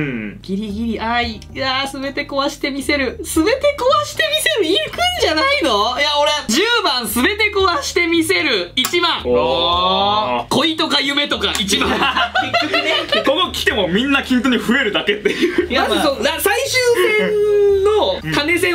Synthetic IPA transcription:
ɡ̥ʲiɾʲiɡʲiɾʲiʔai | asɨbe̞t̪e̞koβaɕi̥t̪e̞mʲise̞ɾɯ̟sɨbe̞t̪e̞koβaɕi̥t̪e̞mʲise̞ɾɯ̟ikɯ̟̃ɲ̟d͡ʑanaino̞jaoɾed͡ʑɨːbãɰ̃sɨbe̞t̪e̞koβaɕi̥t̪e̞mʲise̞ɾɯ̟it͡ɕibãŋ | ko̞it̪o̞kajɯ̟me̞t̪o̞kait͡ɕia | konokʲi̥t̪e̞mo̞mʲĩnːakʲĩnt̪oɲ̟iɸɯ̟eɾɯ̟d̪ake̞t̪ːe̞jɯjamɯ̃sod̪asaiɕɨːsẽnːo̞kane̞sẽ̞

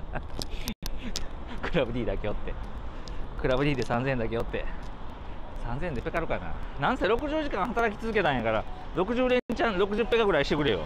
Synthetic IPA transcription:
kɯ̟ɾabɯ̟ɾʲiːd̪akejo̞t̪ːe̞ | kɯ̟ɾabɯ̟ɾʲiːd̪e̞sãnzẽnd̪ake̞jo̞t̪ːe̞̰ | sãnzend̪epe̞kaɾɯ̟kana̰ːnãɰ̃seɾo̞kɯ̟ʑɨːʑikãɰ̃hat̪aɾakʲi̥t͡sɨzɨke̞t̪ãɰ̃jakaɾaɾo̞kɯ̟ʑɨːɾẽ̞ɲt͡ɕãnɾo̞kɯ̟ʑɨpːe̞kaɡɯ̟ɾaiɕi̥t̪e̞kɯ̟ɾejo̞̰

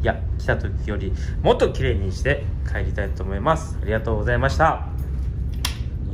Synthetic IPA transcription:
jakʲi̥t̪at̪o̞kʲijo̞ɾʲimo̞t̪ːo̞kʲiɾe̞ːɲ̟iɕi̥t̪e̞kʰaeɾʲit̪ait̪o̞ːmo̞imasɨ̥aɾʲiɡat̪o̞ːɡo̞zaimaɕi̥t̪a

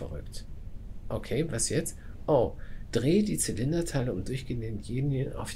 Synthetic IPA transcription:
ɛ̰ʁʏ̰kt | ʔokʰeːvasjɛt͡st | ʔoːd̥ʁeːdiːt͡sɪlɪndɐtʰaɪləʊmdʊɐçɡ̥ənen̩ɡeːnjənʔa̰ʊf

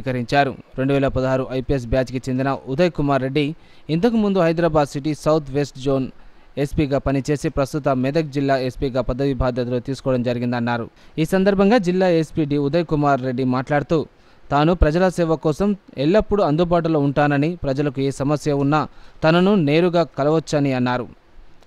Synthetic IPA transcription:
kɐɾiɲt͡ʃaːɾṵɾe̞ɳɖuʋɛːlɐpɐd̪ɐɦaːɾuʔɐjpies̬bjaːd͡ʒkit͡ʃe̞nd̪inɐud̪ɐjkumaːɾːe̞ɖːi | int̪̬ɐkumund̪uɦɐjd̪ɾaːbaːd̪siʈisɐwt̪ʰʋe̞sʈd͡ʒoːn | e̞spiːɡaːpɐnit͡ʃe̞ːsipɾɐst̪ut̪ɐmɛd̪ɐk̚d͡ʒilːaːespiːɡaːpɐd̪ːɐʋibʱaːd̪jɐt̪̬ɐlot̪iːsu̥kɔːɐɽɐmd͡ʒɐɾiɡind̪ɐnːaːɾṵiːsɐnd̪ɐɾbʱɐŋɡaːd͡ʒilːaːespiɖiud̪ɐjkumaːɾːe̞ɖːimaːʈlaːɽut̪uː | t̪aːnupɾɐd͡ʒɐlɐsɛːʋɐkɔːsɐmɛɭːɐpːuɽuɐnd̪ubaːʈ̬uloːuɳʈaːnɐnipɾɐd͡ʒɐlɐkueːsɐmɐsjɐunːɐt̪ɐnɐnune̞ːɾuɡaːkɐlɐʋɐt͡ʃːɐniɐnːaːɾu

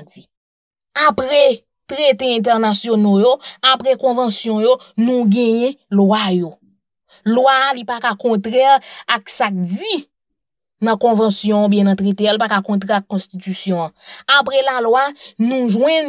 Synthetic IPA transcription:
d͡zi | apɣɛ | t̪ʁet̪eɛ̃t̪̬ɛʁnasjonojoapɣɛkɔ̃vɑ̃sjɔ̃jo | nũɡɛ̃jɛ̃lwajo | lwalipakakɔ̃t̪ʁɛlaksak̚d͡zi | nɐ̃kɔ̃vɑ̃sjɔ̃ɔ̃bjɛ̃nɐ̃t̪ʁet̪ealpakakɔ̃t̪ʁɛakːɔ̃stitysjɔ̃ãapɣɛlalwanũʒwɛ̃n

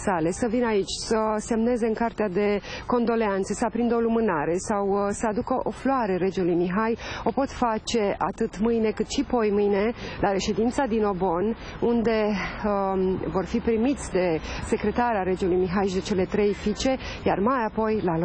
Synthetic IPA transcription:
sale̞səvinait͡ʃʲsəse̞mne̞ze̞ɨŋkart̪ead̪e̞ko̞nd̪o̞le̞ant̪səspɾind̪olumɨnaɾe̞sawsəad̪ukəʔo̞floaɾe̞ɾe̞d͡ʒelujmiɦajo̞po̞t̪fat͡ʃe̞at̪ɨt̪mɨjne̞kɨt̪ʃipo̞jmɨjne̞laɾe̞ʃe̞d̪int̪sad̪ino̞bo̞n | und̪e̞ | vo̞rfipɾimit̪sʲd̪e̞se̞kɾe̞t̪aɾeaɾe̞d͡ʒulujmiɦajʃid̪e̞t͡ʃe̞le̞t̪ɾe̞jfit͡ʃe̞ | ja̰rmajapo̞jlalo

